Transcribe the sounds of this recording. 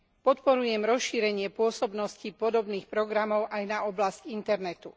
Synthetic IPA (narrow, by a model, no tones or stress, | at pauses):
pɔt̪pɔɾujɛmɾɔsʃiːɾɛɲɪɛpʊɔsɔbnɔscipɔd̪ɔbniːxpɾɔɡɾamɔʊʔajnaɔblascint̪ɛɾnɛt̪u